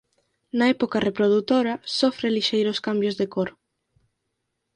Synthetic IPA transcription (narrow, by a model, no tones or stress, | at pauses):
nɐɛpokarepɾoðut̪oɾɐsofɾeliʃejɾʊskambjʊzðekoɾ